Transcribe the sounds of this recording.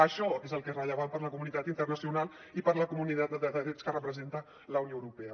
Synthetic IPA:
əʃɔkezəlˠkezrəʎəβampəɾləkumunit̪at̪int̪ərnəsiunalˠ | ipəɾləkumunit̪at̪̚d̪əd̪əðəðɾɛt͡skərəpɾəzent̪ə | ləunjoəwɾupɛə

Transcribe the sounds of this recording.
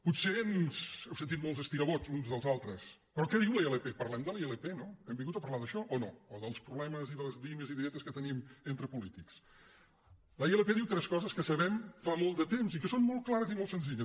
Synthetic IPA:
put̪senzɛwsənt̪it̪̚molˠzəst̪iɾəβot͡sunzðəlˠzalˠt̪ɾəspɾɔkɛðiwləeləpepəɾlɛmd̪əlˠeləpenoɛmbiŋɡut̪əpɐɾlaðəʃɔʔɔno̰ːðəlˠspɾuβlɛməziðələzliməziðiɾɛt̪əskət̪əniment̪ɾəpulit̪iks | ləieləpeðiwt̪ɾɛskɔzəskəsəβɛmfamolˠtd̪ət̪emzikəsonmɔlˠt̪̚klˠaɾəzimolˠsənziʎəs

